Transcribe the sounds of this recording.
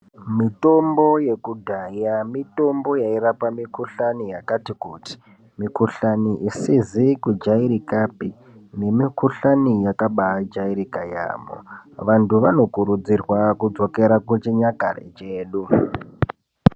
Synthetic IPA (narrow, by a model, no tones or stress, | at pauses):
mito̞mbo̞je̞kudʱajamito̞mbo̞jaiɾapamikuɬanijakatikuti̥ | mikuɬaniʔisizikud͡ʒaiɾikapi | ne̞mikuɬanijakaɓad͡ʒaiɾikaja̰ːmo̰ʋantʰuʋano̞kuɾud͡zirwakud͡zo̞ke̞ɾakut͡ʃiɲaka̰rḛt͡ʃeːɗu